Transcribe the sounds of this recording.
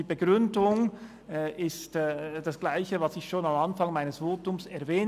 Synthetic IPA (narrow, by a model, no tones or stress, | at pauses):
iːbəɡ̥ʁʏndʊŋ | ʔɪstːd̥ɑsɡ̥laɪçəvɑsɪçʃoːnɑmɑnfɑŋmaɪnəsv̥oːtʊmsɛɐvɛː